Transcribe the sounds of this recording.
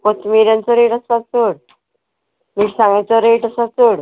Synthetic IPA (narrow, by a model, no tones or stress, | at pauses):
kot̪miɾjãnt͡sɔɾeʈəsat͡soɽ | miːʈsãŋɡãt͡sɔɾeʈəsat͡soɽ